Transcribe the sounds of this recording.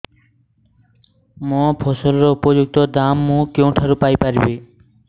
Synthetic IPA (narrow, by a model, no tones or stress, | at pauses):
mõːpʰoːsəlɾoːʊpoːd͡ʒʊɡ̚t̪oːd̪aːmːũːkjõːʈʰəɾuːpaːiːpəɾbeː